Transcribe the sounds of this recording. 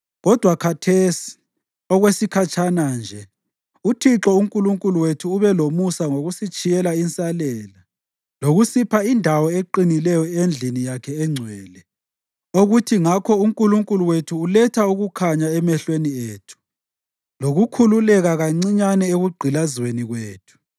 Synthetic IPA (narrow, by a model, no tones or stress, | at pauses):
ɣɔd̥ʱwakʰatʰeːsi̥ | ɔɣwesikʰat͡ʃʰanand͡ʒʱɛ | utʰiǁɔuŋkʼuluŋkʼuluwetʰuːβɛlomusaŋoɣusit͡ʃʼijɛlaint͡sʼalɛːla | loɣusipʰaindʱawɔeǃinilɛjɔend͡ɮʱinijakʰɛːŋ͡ǀʱwɛːlɛ | oɣutʰiŋakʰɔuŋkʼuluŋkʼuluwetʰuːlɛtʰauɣukʰaɲaɛmɛɬwenieːtʰu̥ | loɣukʰululɛɣaɣaŋ͡ǀiɲanɛeɣuɡ͡ǀʱilazweniɣweːtʰu̥